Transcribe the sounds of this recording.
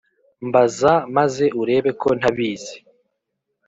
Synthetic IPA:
mbazamaze̞ʔuɾe̞ːβe̞kʰo̞n̥haβiːze̥

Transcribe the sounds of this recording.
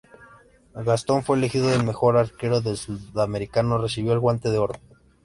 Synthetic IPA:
ɣast̪o̞ɱfwe̞ːlexiðoðe̞lme̞xo̞ɾaɾke̞ɾo̞ðe̞lsuðame̞ɾikano̞re̞siβjo̞elɣwant̪e̞ð̞eo̞ɾo

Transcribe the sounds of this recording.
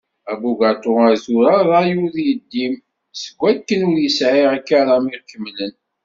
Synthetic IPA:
æbuɡæt̪ʊæzuɾaðˤɑjuɾðjəd̪ːim | səɡʷːækːənʊɾjəsʕiʁækːaɾamiʁkːəmːlən

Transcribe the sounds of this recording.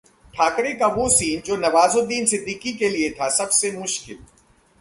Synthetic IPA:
ʈʰaːkɾekaʋosiːnd͡ʒoːnɐʋaːzod̪iːnsɪd̪ʱːiːkːikeliet̪ʰasɐbsemʊʃkɪl

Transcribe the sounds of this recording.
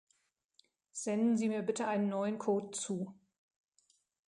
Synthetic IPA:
z̥ɛndn̩ziːmiːɐbɪtəʔaɪnənːɔʏənkʰoːtt͡suː

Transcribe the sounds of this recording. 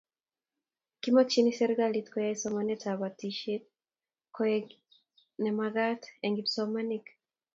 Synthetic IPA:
kimɔt͡ʃinisɛɾɡalitkɔjaisɔmanɛtabatiʃɛt̚ | kɔɛ | nɛmaɡatɛŋɡitsɔmanik

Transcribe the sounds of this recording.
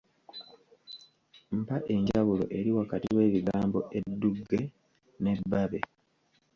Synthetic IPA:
m̩paʔe̞ɲɟaβulo̞̰ʔe̞ɾiwakatiwe̞ːβiɡaːmbo̞ʔe̞dːuɡːe̞ | ne̞bːaβe̞̰

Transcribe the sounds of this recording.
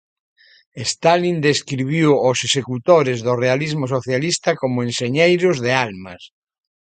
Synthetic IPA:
est̪alind̪eskɾiβ̞iwosesekut̪oɾezðorealizmosoθjalist̪ɐkomʊẽnseɲejɾʊzðealmɐ̰s

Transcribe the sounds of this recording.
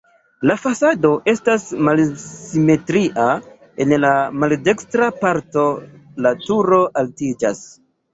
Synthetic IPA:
lafasado̞ʔe̞stasmalsime̞tɾiʔa | e̞nlamalde̞kstɾapaɾto̞latuɾo̞ʔaltid͡ʒas

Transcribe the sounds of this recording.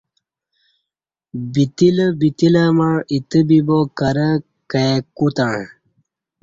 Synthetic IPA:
bit̪iləbit̪ilamaɻit̪əbibokɐɾə | kəekut̪aɳ

